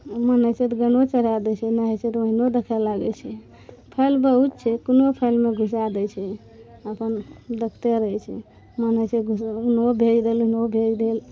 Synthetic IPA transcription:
mənəjt͡ʃʰɛt̪ɔɡənot͡ʃəɾad̪ɛt͡ʃʰɛnaɦɛt͡ʃʰɛt̪ɔoɦinod̪ekʰɛlaɡɛt͡ʃʰɛ | pʰəlbəɦut̪̚t͡ʃʰɛkunopʰəjlmeɡʱus̬ad̪ɛt͡ʃʰɛ | əpənd̪əkʰt̪eɾəɦɛt͡ʃʰɛ | mənət͡ʃʰɛɡʱusunobʱed͡ʒd̪eluɦinobʱed͡ʒd̪el

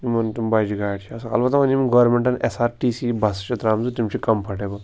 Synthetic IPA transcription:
imɐnt̪imbɐjd͡ʒiɡaːɽt͡ʃʰiɐsɐkɐ̰lbɐt̪ːɐʋɐnimɐnɡɐʋɾmeɳʈɐnʔesaːɾʈiːsibɐst͡ʃʰɐt̪ɾaːmzut̪imt͡ʃʰikɐmpʰɐʈebɐ

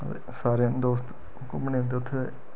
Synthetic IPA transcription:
t̪ḛ | saːɾeãnd̪oːst̪ | kmnẽːʊ̃nd̪eʊt̪ʰːe

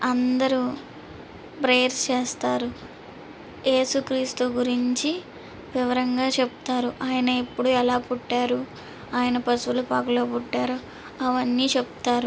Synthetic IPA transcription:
ɐnd̪ɐɾu | bɾe̞jɾst͡ʃeːst̪aːɾu | je̞ːsukɾiːst̪uɡuɾiɲt͡ʃi | ʋiʋɐɾɐŋɡaːt͡ʃe̞bu̥t̪aːɾuʔaːjɐnɐepːuɽuɛlaːpuʈːaːɾu | aːjɐnɐpɐsʋulupaːkɐlo̞ːpuʈːaːɾo | ɐʋɐnːiːt͡ʃebut̪aːɾu

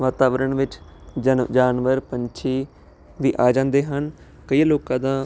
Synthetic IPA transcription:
ʋaːt̪aːʋəɾəɳʋɪt͡ʃ | d͡ʒaːnʋəɾpəɲt͡ʃʰiː | ʋiːʔaːd͡ʒãːnd̪eːɦən | kəiːloːkãːd̪ãː

